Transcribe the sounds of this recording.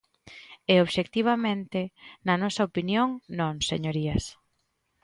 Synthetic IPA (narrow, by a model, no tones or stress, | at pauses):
eoβʃek̚t̪iβ̞ɐmẽnt̪ɪnɐnɔsɐopinjoŋnõŋsḛɲoɾiɐs